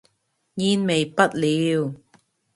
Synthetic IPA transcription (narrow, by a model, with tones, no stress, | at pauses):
jiː˧nme˨jpɐ˥t̚liː˨˧w